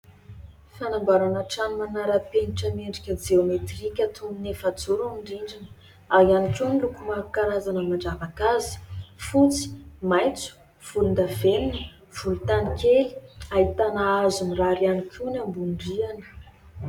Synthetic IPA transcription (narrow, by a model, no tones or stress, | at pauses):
fanambaɾanaʈ͡ʂanimanaɾəpeniʈ͡ʂəmeɳɖ͡ʐi̥kʲəd͡ʒeomet̪rikʲət̪ʰumbinefat͡suɾuniɳɖ͡ʐiɳɖ͡ʐinə̥ | aɦanikʲunilukumakaɾazanəmaɳɖ͡ʐavakazi̥fut͡si̥majnt͡su̥ | v̥ulund̪avenini | v̥ulut̪anikʲeli̥ait̪anaazuniraɾianikʰʲunambuɳɖ͡ʐianə̥